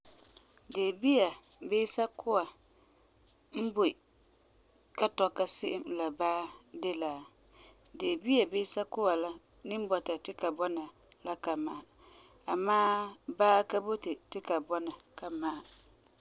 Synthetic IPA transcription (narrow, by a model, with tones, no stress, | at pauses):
deː˨bi˦a˨ | beː˦sa˦kʰʊ˦wa˨ | m̩˦bo˨ | ka˦tɔ˨ka˦sɪ˦ʔɪ˦mla˨baː˦de˦laː˨ | deː˨bi˦a˨beː˦sa˦kʊ˦wa˨la˦ | nɪ˦m˦bɔ˨ta˨tɪ˦ka˨bɔ˦na˨ | la˦ka˨ma˨a˨ | a˨maː˦baː˦ka˦bo˦te˨tɪ˦ka˨bɔ˦na˨ka˨ma˦˨